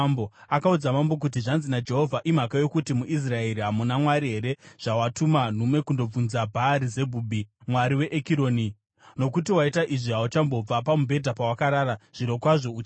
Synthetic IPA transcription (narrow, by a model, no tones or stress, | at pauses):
mboakaud͡zamambo̞k̬ut̬iʐanzinad͡ʒe̞ɦo̞vʱaʔim̤akajokutimuʔis̬rae̞ɾiɦamunamwaɾiɦe̞ɾe̞ʐ̥awatuman̤umwe̞kundo̞b͡vunzabʱaːɾize̞bʱuːbʱimwaɾiwe̞ʔekiɾo̞ːni | no̞kutiwaitaʔiʐiɦaut͡ʃambo̞b͡vapamubʱe̞dʱapawakaɾaːɾaʐ̥iɾo̞kwaʐo̞ut͡ʃa